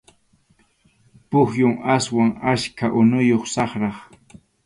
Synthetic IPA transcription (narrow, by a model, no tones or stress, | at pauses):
pʊxjʊŋaswaŋaʃkʰaʔʊnʊjoχsɑχɾɑχ